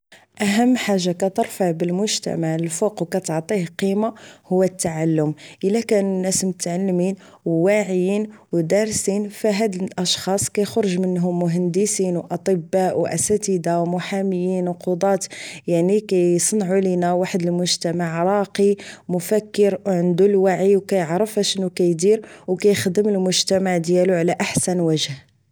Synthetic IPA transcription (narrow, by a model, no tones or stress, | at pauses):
ʔæɦəmːħaʒːakæt̪əɾˤfaʕbəlmʊʒt̪æ̰maʕəlfuqwkæt̪əʕt̪ˤihqimahʊwːæt̪ːaʕalːʊmʔəlːækænunːæsmʊt̪ʕalːmin | wwaʕəjinwd̪ɑɾˤsinfæɦæd̪əlʔɑʃxɑsˤkæjxɾəʒmənːɦʊmːʊɦænd̪əsinwʔɑt̪ˤəbːaʔwʔæ̰sæt̪əd̪awmʊħaməjːinwqod̪ˤɑt̪jaʕnikæjsˤnʕulinæwaħəd̪əlmʊʒt̪æmaʕɾˤɑqimʊfækːəɾwʕənd̪ulwaʕiwkæjəʕɾəfhæʃənːukæjd̪iɾwkæjxd̪əməlmʊʒt̪æmaʕd̪jæluʕlæʔaħsænwæʒh